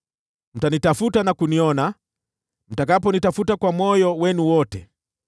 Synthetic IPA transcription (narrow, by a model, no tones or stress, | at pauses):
m̩tanitafutanakuniɔna | m̩takapɔnitafutakwamɔjɔwɛnuwɔtɛ